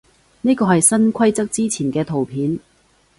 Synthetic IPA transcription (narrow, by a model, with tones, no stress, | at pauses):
niː˥kɔː˧hɐ˨jsɐ˥nkʷʰɐ˥jt͡sɐ˥k̚t͡siː˥t͡sʰiː˨˩nkɛː˧t̪ʰo˨˩wpʰiː˨˥n